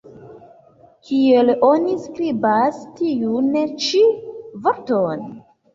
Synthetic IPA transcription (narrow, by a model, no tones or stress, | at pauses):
kʰie̞lo̞niskɾibastiunet͡ʃivoɾton